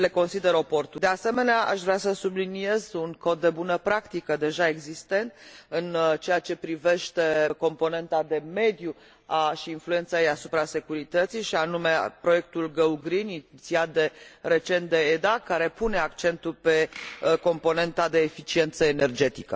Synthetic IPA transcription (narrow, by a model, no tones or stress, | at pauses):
le̞ko̞nsid̪e̞ɾo̞po̞rt̪ud̪e̞ase̞me̞neaʔa̰ʃvɾeasəsublinie̞zuŋko̞t̪̚d̪e̞bunəpɾakt̪ikəd̪e̞ʒae̞ɡzist̪e̞nt̪ɨnt͡ʃe̞jat͡ʃe̞pɾive̞ʃt̪e̞ko̞mpo̞ne̞nt̪ad̪e̞me̞d̪ju | aʃiːnflue̞nt̪sajejasupɾase̞kuɾit̪ət̪sijʃianume̞pɾoje̞k̚t̪ulɡəuɡɾiniit̪siat̪̚d̪e̞re̞t͡ʃe̞nt̪̚d̪e̞ed̪akaɾe̞pune̞akt͡ʃe̞nt̪ulpe̞ko̞mpo̞ne̞nt̪ad̪e̞ːfit͡ʃie̞nt̪səene̞rd͡ʒe̞t̪ikə